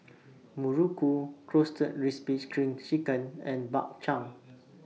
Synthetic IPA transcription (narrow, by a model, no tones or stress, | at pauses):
muɹukukʰɹostət̚ɹispit͡ʃkʰɹĩŋt͡ʃikə̃nɛ̃nba̰k̚t͡ʃãŋ